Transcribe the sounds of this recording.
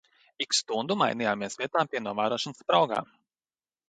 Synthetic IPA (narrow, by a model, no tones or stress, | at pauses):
ikst̪und̪uma̰jnijaːmiɛsvʲiɛt̪aːpʲiɛnuɔvaːɾuɔʃɔnspɾawɡa̰ː